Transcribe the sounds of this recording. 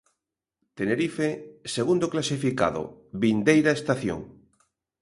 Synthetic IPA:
t̪eneɾifeseɣund̪oklasifika̰ðo̰βind̪ejɾaest̪aθjo̰ŋ

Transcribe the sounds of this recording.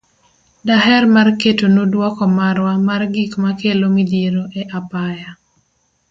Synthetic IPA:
daɦɛrmarketonodwɔkɔmaɾwamarɡikmakelomid̪jeɾoʔɛʔapaja

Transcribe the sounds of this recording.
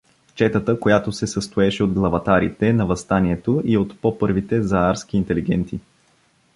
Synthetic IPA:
t͡ʃɛt̪ət̪əkojat̪osɛsəst̪oɛʃɛod̪̚ɡlˠɐvɐt̪aɾḭt̪ɛnɐvɐst̪aniɛt̪oiot̪popɤɾvit̪ɛzɐaɾsk̟iːnt̪ɛliɡɛnt̪i

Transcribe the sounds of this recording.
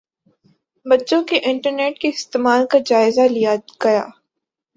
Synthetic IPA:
bɐtːʃõkeʔɪ̃ɳʈəɾneːʈ̚keɪst̪eːmaːlkad͡ʒaːɪzalijaɡ̥ɐja̰ː

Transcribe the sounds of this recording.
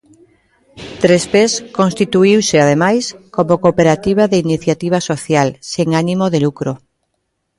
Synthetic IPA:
t̪ɾespeskõnst̪it̪uiwseað̞emajskomokopeɾat̪iβ̞aðeiniθjat̪iβ̞asoθjalseŋanimoðelukɾo

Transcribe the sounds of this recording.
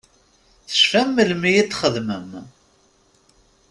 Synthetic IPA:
θə̥ʃfæmːəlmijit̪ːχəðməm

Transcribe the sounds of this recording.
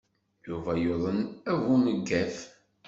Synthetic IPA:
juvæjoðˤənævuməɡːæθ

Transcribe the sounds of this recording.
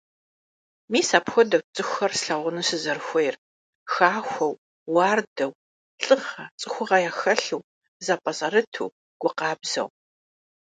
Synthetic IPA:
miːsaːpxʷɔdɐwt͡sʼɨxʷɐrsɬɐʁʷʊnɨsɨzɐrxʷɔjr | xaːxʷɐw | wɑːrdɐw | ɬʼɨχɐt͡sʼɨxʷʊʁɐjaːxɐɬɨw | zapʼɐzʼɐɾɨtʰṵː | ɡ̥ʷʊqɑːbz̥ɐ̰w

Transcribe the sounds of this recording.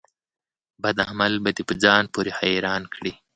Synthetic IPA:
bad̪ahmalbad̪epəd͡zɑːnpoɾexajɾɑːnkʰɽi

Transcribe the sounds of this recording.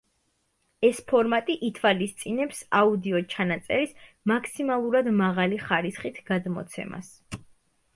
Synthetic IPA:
ɛspʰɔɾmat̪ʼiʔit̪ʰwalist̪sʼinɛpsaud̪iɔt͡ʃʰanat̪sʼɛɾis | makʰsimalˠuɾad̪maʁaliχaɾisχit̪ʰɡ̥ad̪mɔ̰t̪sʰɛ̰ma̰s

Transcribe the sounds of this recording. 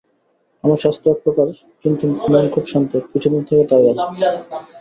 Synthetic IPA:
amaɾʃast̪ɾoak̚pɾokaʃ | kint̪umonkʰubʃɔnt̪ekit͡ɕʰud̪int̪ʰeket̪aiat͡ɕʰe̥

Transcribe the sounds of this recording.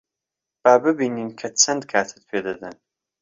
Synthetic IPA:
b̥aːbɨbiːniːnkʰɐt͡sʰɐnd̪kʰaːt̪ʰɨ̥t̪̚pʰeːd̪ɐd̪ɐn

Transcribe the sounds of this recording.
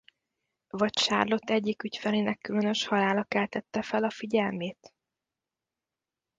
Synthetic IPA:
vɒcʃa̰ːrlo̞t̪ːɛɟːikycfɛleːnɛkːylønø̞ʃhɒlaːlɒkɛlt̪ɛt̪ːɛfɛlɒfiɟɛlmeːt̪

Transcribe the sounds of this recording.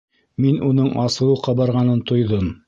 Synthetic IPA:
minunɤɴʔɑsɤ̆wɤqɑbɑɾʁɑnɤnt̪ʰŏjðɤm

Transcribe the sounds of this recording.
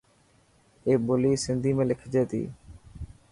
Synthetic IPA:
eːboːliːsɪnd̪ʱiːmẽːlɪkʰd͡ʒeːt̪ḭː

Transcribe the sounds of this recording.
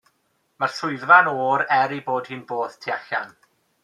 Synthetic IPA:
marsʊɨðvanoːɾɛɾiboːd̥hɨːnboːð̥tʰiaɬa̰n

